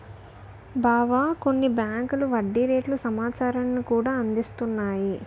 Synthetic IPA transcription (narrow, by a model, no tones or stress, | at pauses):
baːʋaːko̞nːibjaːŋkuluʋɐɖːiɾeːʈlusɐmaːt͡ʃaːɾɐnnikuːɽaːɐnd̪ist̪unːaːji